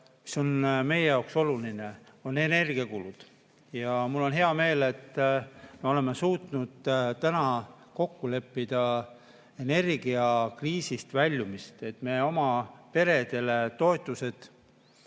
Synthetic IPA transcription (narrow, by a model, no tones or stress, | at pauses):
mi̥so̞nme̞je̞jɑwkso̞luline̞o̞ne̞ne̞rɡ̥iɑkulud̪̥ | jɑmulːo̞nɦe̞ɑme̞ːle̞t̪ːˑme̞o̞le̞mːe̞suːt̪nud̪̥t̪ænɑ | ko̞kːule̞pːid̪̥ɑ | e̞ne̞rɡ̥iɑkriːsist̪vælʲːumist̪e̞t̪ːme̞ːo̞mɑpe̞ɾe̞d̪̥e̞le̞t̪o̞et̪ːˑuse̞d̪̥